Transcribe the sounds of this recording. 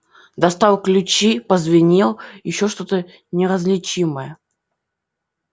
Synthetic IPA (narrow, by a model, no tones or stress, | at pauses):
d̪ɐst̪awˠklʲʊt͡ɕipəzvʲɪnʲilˠjɪɕːoʂt̪o̞t̪ə | nʲɪɾəzlʲɪt͡ɕiməjə